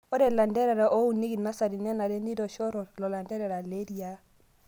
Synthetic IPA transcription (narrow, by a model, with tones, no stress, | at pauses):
ɔ˦ɾɛ˨la˨ndɛ˦ɾɛ˨ɾa˨ʔo˦u˨ni˦ɡi˨na˦sa˨ɾi˨nɛ˦na˨dɛ˦ndi˦dɔ˨ʃɔ˦ɾɔ˨lɔ˨la˨ndɛ˦ɾɛ˨ɾa˨le˦di˦a˨